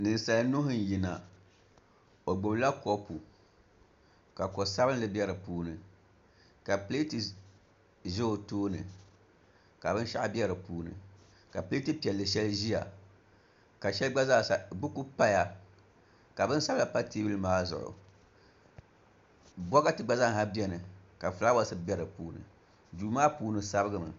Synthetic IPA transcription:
nɨ˨nsa˨lɨ˦nʊ˦ɦʊ˦n˨ji˨na˨ | o˨ɡ͡bo˨bla˦ko˦pu˨ | ka˨ko˨sa˦bɨ˦n˦lɨ˦bɛ˦ɾɨ˨puː˦nɨ˨ | ka˨pe˦ti˨ | ʒo˦o˨toː˦nɨ̰˨ | ka˨bɨ˦n˦ʃa̰˦ʔa˦bɛ˦ɾɨ˨puː˦nɨ̰˨ | ka˨ple˦ti˦pi˨ɛ˨lːɨ˨ʃɛ˦lɨ˦ʒi˦a̰˨ | ka˨ʃɛ˦lɨ˦ɡ͡ba˦zaː˦˨sa˨bu˦ku˦pa˦ja˨ | ka˨bɨ˦n˦sa˦bɨ˦la˨pa˦teː˦blɨ˦maː˦zʊ̰˨ʔʊ̰˨ | bɔ˦ɣa˦tɨ˨ɡ͡ba˦za˦ŋ˨ɦa˦bi˦ɛ˦nɨ˨ka˨fɨ˨la˦wa˨˦sɨ˦bi˦ɛ˦ɾɨ˨puː˦nɨ̰˨ | duː˨maː˦puː˨˦nɨ˨sa˦bɨ˦ɡɨ˦mɨ˨

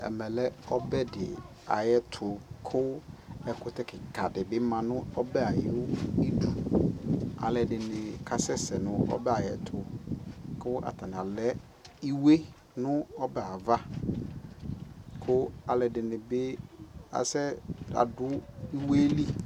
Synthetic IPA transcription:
ɛ̰˨mɛ̃˨lɛ˦ɔ˦bɛ˦dɪ˨ | a̰˨jɛ˦tʰʊ˨kʰʊ˦ɛ˨kʊ˨tɛ˦kʰɪ˨ka˨dɪ˨bɪ˦mã˨nʊ̃˦ɔ˦bɛ˦a˨jɪ˦ʊ˦i˦du˨ | a̰˨lɛ˨dɪ˨nɪ˨kʰa˨sɛ˦sɛ˨nʊ̃˦ɔ̰˦bɛ˦a˨jɛ̰˨tʰʊ˨ | kʰʊ˦ʔa̰˨tʰa˨n˨a˨lɛ˦ | i˦we˦ | nʊ̃˦ɔ˦bɛ˨a˨va˦ | kʰʊ˦a˨lɛ˨dɪ˨nɪ̃˨bɪ˦a̰˨sɛ˦a̰˨dʊ˦i˦we˦li˦

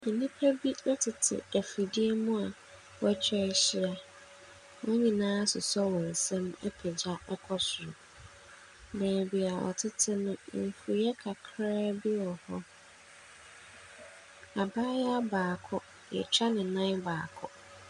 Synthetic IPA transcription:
nĩ˦pʰæ˦bi˦nʊ̃˦tʰɪ˨tʰɪ̰˨æ˨fi˨di˦e˦mũ˦a˨ | wɔ˦ɛ˦t͡ɕʰᶣɛ˦ɕɪ˦a˨ | wɔ˦ɲĩ˨nãː˦sʊ˨sɔ˦wɔ̃˨n̩˨sɛ̃˦mɛ̰˦pʰɛ˨d͡ʑa˦ɛ˦kʰɔ˦sʊ˨ɾʊ˨ | bɛ̃ː˨bi˨a˨ʔɔ̰˨tʰɪ˦tʰɪ˦nʊ̃˦m̩˨fu˨jɛ˦kʰa˨kʰɾɛː˦bɪ˦wɔ˨hɔ˦ | a˨baː˦ja˦a˦baː˨kʰɔ˦ | jɛ̰˨t͡ɕᶣa˦nɪ̃˨nã˦baː˨kʰɔ˦

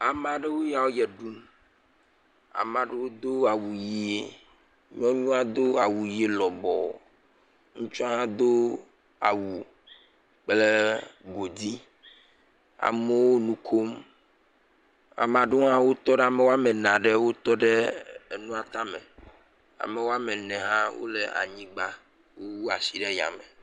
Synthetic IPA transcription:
a˨mã˨ɖe˦wo˦ja˨wo˦jɛ˨ɖu˦m | a̰˨mã˨ɖe˦wo˦d̪o˦a˨wu˨ji˦e˨ | ɲ̃˦ɔ̃˦ɲũ˦a˦d̪o˦a˨wu˨ji˦e˦lɔ˨bɔ̰˨ | ŋũ˦t͡ʃɔ˦a˦ɦã˦d̪o˦ | a̰˨wu˨ | k͡ple˦ɡo˨d̪i˦ | a̰˨me˦wo˦nũ˦kʰo˦m | a̰˨mã˨ɖo˦ɦã˦wo˦t̪ɔ˦ɖe˦a˨me˨wo˦a˦me˨nã˨ɖe˦wo˦t̪ɔ˦ɖe˦e˨nũ˦a˨t̪a˦mḛ˨ | a̰˨me˨wo˦a˦me˨nɛ̃˨ɦã˦wo̰˦le˦˨a̰˨ɲĩ˦ɡ͡ba˦ | wo˦wo˦a˨si˨ɖe˦ja̰˨me˨

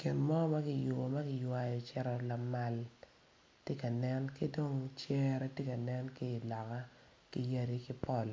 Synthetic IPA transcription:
kɪ˨nmɔ˦ma˦kɪ˨jʊ˨bo˨ma˦kɪ˨jwa˨jɔ˨t͡ʃɛ˦ɾɔ˨la˨ma˦˨l | tje˦ka˨nɛ˦nki˦do˦ŋt͡ʃɛ˦ɾɛ˦tje˦ka˨nɛ˦nkɪ˦ɪ˨lɔ˨ka˦ | ki˨ja˦di˦kɪ˦pɔ˦˨l

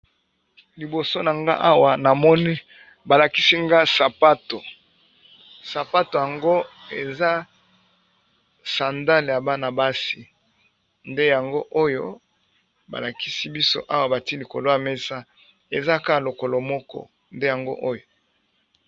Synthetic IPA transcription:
li˨bo˨so˦na˨ŋɡa̰˦ʔa˦wa˨na˨mɔ˦ni˦ | ba˨la˨ki˦si˦ŋɡa˦sa˨pa˦to˨ | sa˨pa˦to˨ja˨ŋɡo˦ | e˨za˦ | sa˨nda˦le˨ja˨ba˦na˨ba˦si˨ | nde˦ja˨ŋɡo˦ʔo˦jo˦ | ba̰˨la˨ki˦si˦bi˦so̰˦ʔa˦wa˨ba˨ti˦li˨ko̰˨lo˦ja˨me˦sa˦ | e˨za˦ka˦˨lo˨ko˨lo˨mɔ˦kɔ̰˦ | nde˦ja˨ŋɡo̰˦ʔo˦jo˨

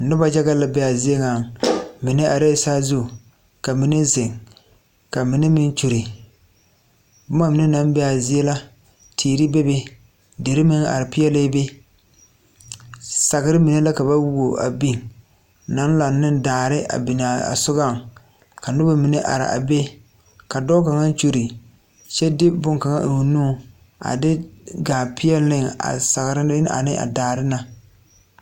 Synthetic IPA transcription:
nʊ˦ba˦d͡ʒa˦ɡa˦la˨bɛ˦a˨zɪ˦e˦ŋa˨ŋmi˨ne˦ʔa˨ɾe˦˨saː˦zu˦˨ | ka˨mi˨ne˦zɪ˨ŋ | ka˨mi˨˦ne˦mɪ˦n˦t͡ʃu˨ɾi˨ | bʊ˦ma˦mɪ˨ne˦na˦mbɛ˦a˨zi˦e˦la˦ | tʰiː˨ɾi˦be˦be˦ | de˨ɾɪ˦mɪ˦ŋa̰˨ɾɪ˨pɪ˦jɛ˦le˦be˦ | sa˨ɡɪ˦ɾɪ˦mi˨ne˦la˦ka˨ba˦wu˦o˨ʔa̰˨bi˦ŋ | na˦n˦la˨nɪ˦ndaː˨ɾɪ˦a̰˨bi˨na˨a̰˨sʊ˦ɡa˦˨ŋ | ka˨nʊ˦ba˦mi˨ne˦ʔa̰˨ɾɪ̰˨ʔa̰˨be˦ | ka˨dɔː˦ka˨ŋa˦n˦t͡ʃo˦ɾi˨ | t͡ʃɛ˦dɪ˦bʊ˦ŋka˨ŋa̰˦ʔ̩˨wu˨nuː˦ | a̰˨dɪ˦ɡaː˨pʰɪ˦jɛ˦lɪ˦ŋa̰˨sa˨ɣɾɪ˦a̰˨nɪ˦ʔa̰˨daː˨ɾɪ˦na˨

